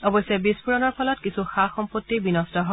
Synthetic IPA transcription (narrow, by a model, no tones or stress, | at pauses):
ɔbɔjsɛbispuɹɔnɔɹpʰɔlɔtkisuxaxɔmpotːibinɔstɔɦɔ